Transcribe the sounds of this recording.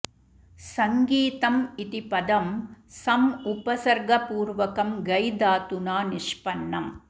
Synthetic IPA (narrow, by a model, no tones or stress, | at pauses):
sɐŋɡiːt̪ɐmɪt̪ɪpɐd̪ɐmsɐmʊpɐsɐɾɡɐpuːɾʋɐkɐmɡɐjd̪aːt̪ʊnaːnɪʂpɐnːɐm